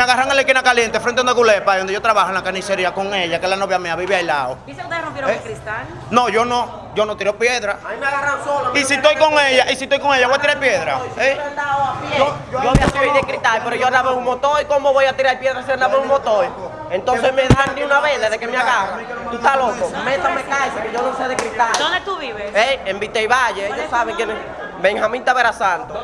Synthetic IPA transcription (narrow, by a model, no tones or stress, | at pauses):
eaɣaraŋelekinakaljent̪efɾẽnt̪eond̪eɣulepajðond̪jot̪ɾaβahoẽnlakaniseɾiakoŋeʎakelanoβjameaβiβeajla̰oisekut̪erompjeɾõekɾist̪a | noʝono | ɟ͡ʝonot̪iɾopjeðɾaimaɣarasolisit̪ojkoŋeʎaʔisit̪ojkoŋeʎaβojat̪iɾajpjeðɾa̰end̪apo | ooaβiasiβejðekɾit̪ajpeɾoʝonaβeumot̪oikomoβojat̪iɾajpjeðɾasianaβeumot̪oj | ent̪onsemeðaanniunaβeðeðekemeaɣarat̪ut̪alokomet̪amekajsekeʝonũŋseðekɾit̪ad̪ond̪et̪uβiβeeembit̪ejβaʝeejosaβeŋkjenes | beŋhamĩnt̪aβeɾasant̪o